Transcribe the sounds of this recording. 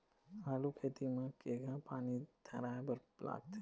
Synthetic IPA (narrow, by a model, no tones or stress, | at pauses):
aːlukʰeːt̪imẽkeːɡãpaːnid̪ʰʱaɾaːbɐɾpla̰ːɡ̚t̪ʰe